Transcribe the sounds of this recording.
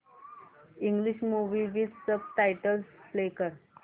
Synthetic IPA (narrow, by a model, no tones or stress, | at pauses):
iŋɡliɕmuʋiʋid̪səb̚ʈajʈəlsflekəɾ